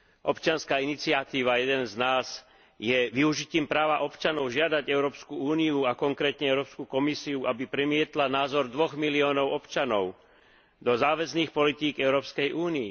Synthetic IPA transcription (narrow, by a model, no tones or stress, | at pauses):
ʔɔpt͡ʃɪanskaːinit͡siat̪iːʋajɛd̪ɛnznaːz̥ | jɛʋiuʒiciːmpɾaːʋaʔɔpt͡ʃanɔʊʒɪad̪aɟɛʊɾɔːpskuuːniuakɔŋkɾɛːt̪ɲɛɛʊɾɔːpskukɔmisiuʔabipɾimɪɛt̪lanaːzɔɾd̪ʋɔɣmiliɔːnɔʊɔpt͡ʃanɔʊ | d̪ɔzaːʋɛzniːxpɔlit̪iːɡɛʊɾɔːpskɛjʔuːnii